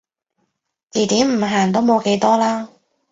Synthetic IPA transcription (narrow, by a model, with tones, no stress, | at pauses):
t͡siː˨˩t̪iː˨˥mm̩˨˩ɦaː˨˩nt̪̬o˥wmo˨˧wke˨˥jt̪ɔː˥laː˥